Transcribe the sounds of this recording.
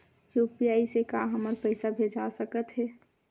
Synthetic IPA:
jupijaːisekaɦəməɾpəɪsabʱed͡ʒasəkət̪ɦɛː

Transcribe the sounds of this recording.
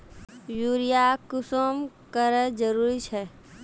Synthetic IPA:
juɾijakʊsom | kəɾəd͡ʒəɾuːɾit͡ʃʰɛ

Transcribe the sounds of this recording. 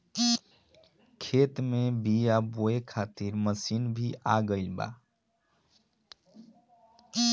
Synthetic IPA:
kʰet̪mebijaboekʰat̪iɾməsinbʱiʔaɡəɪlba̰

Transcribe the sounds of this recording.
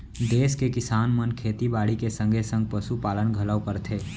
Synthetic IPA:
d̪eːskekɪsaːnmənkʰeːt̪ibaːɽikesə̃ŋɡʱesə̃ŋɡ̚pəsupaːlənɡʱələwkəɾt̪ʰeː

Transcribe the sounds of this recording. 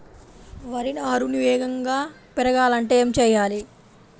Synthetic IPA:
ʋɐɾinɐɐɾuniʋɛːɡɐŋɡaː | pɛɾɐɡaːlɐɳʈeːemt͡ʃɛːjaːli

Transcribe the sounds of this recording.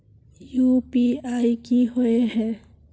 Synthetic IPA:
jupiajkihoeɦɛ

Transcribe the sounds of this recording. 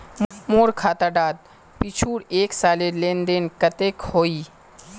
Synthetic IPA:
moːɾkʰaːt̪aɖaːd̪̚ | pit͡ʃʰuːɽeːksaːlelẽːnd̪enkət̪eːkhoːiː

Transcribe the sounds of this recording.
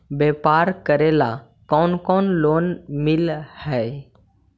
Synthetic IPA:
bepaɾkəɾela | kɔnkɔːnloːnmɪlhɛ

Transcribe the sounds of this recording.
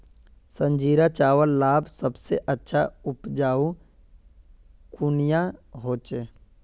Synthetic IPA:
sə̃nd͡ʒiːɾat͡ʃaːʋəllaːbsəbseʔətːʃʰa̰ʊpd͡ʒaːu | kʊnɪjaɦoːt͡ʃeː

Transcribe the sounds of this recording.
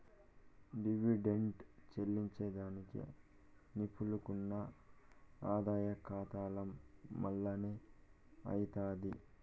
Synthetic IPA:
ɖiʋiɖeɳʈt͡ʃelːiɲt͡ʃed̪aːnikḭ | nipʰulukunːɐ | aːd̪aːjɐkaːt̪aːlɐmːɐlːɐne | ɐ̰jit̪aːd̪i

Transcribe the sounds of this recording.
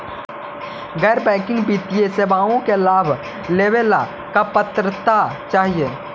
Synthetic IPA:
ɡɛːɾbɛ̃ːkɪ̃ŋɡbit̪ijeseːbaːõkelaːbʱ | leːʋela | kapət̪ɾət̪at͡ʃaːɦieː

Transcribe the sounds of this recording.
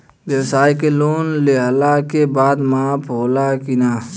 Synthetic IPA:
wjəwsaːikeloːnleɦlakebaːd̪mãːpʰɦoːlakɪnaː

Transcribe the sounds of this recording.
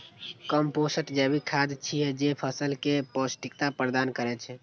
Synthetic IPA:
kəmposəʈd͡ʒɛbikʰad̪t͡ʃʰiɛd͡ʒepʰəsəlkeposʈikt̪apɾəd̪ankəɾɛt͡ʃʰɛ

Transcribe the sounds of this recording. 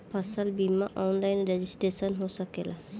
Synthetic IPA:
pʰasalbimaʔɔnlajnɹɛzisʈesɔnɦosakɛla

